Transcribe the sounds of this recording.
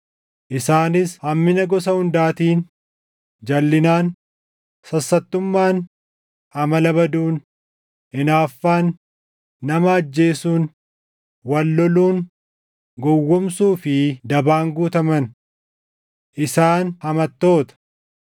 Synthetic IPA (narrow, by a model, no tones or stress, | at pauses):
ʔɪsaːnɪshɐmːɪnɐɡɔs̬ɐhʊnd̪aːt̪iːn | d͡ʒɐlːɪnaːn | sɐsːɐt̪ːʊmːaːn | hɐmɐlɐbɐd̪uːn | ʔɪnaːfːaːnː | ɐmɐɐd͡ʒːe̞ːsuːn | wɐlːɔluːn | ɡɔwːɔmsuːfɪd̪ɐbaːŋɡuːt̪ɐmɐn | ʔɪsaːnhɐmɐt̪ːo̞ːt̪ɐ̥